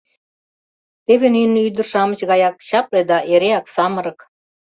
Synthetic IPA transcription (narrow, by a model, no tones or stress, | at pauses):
t̪eβenynːyd̪ə̆rʃɑmə̆t͡ɕɣɑjɑkɕɑpled̪ɑʔeɾeɑksɑmɤ̆ɾɤ̆k